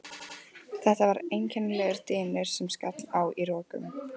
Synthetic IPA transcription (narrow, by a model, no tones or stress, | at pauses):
θɛht̪avaɾejncʰɛnːlɛɣɪɾ̥t̪ɪːnɪɾ̥sɛmskat̪nawiɾɔːkʏ̰m